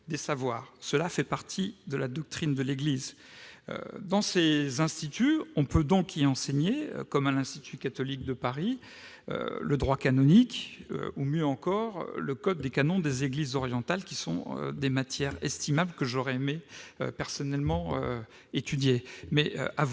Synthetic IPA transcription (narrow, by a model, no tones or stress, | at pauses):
d̪esavwaːʁsəlafɛpaʁt̪ʰid̪əlad̪ɔk̚t̪χind̪əleɡliz | ø̰d̪ɑ̃sezɛ̃st̪it̪yɔ̃pød̪ɔ̃kiɑ̃seɲḛkɔmalɛ̃st̪it̪ykat̪ɔlik̚d̪əpaʁi | ø̰ləd̪ʁwakanɔnikø̰umjøɑ̃kɔʁ̰ləkɔd̪̚ːekanɔ̃d̪ezeɡlizɔʁjɑ̃t̪alkʲisɔ̰̃ø̰d̪emat̪jɛʁɛst̪imabləkəʒɔʁɛemeø̰pɛʁsɔnɛlmɑ̃ø̰ | et̪yd̪jemɛʔʔav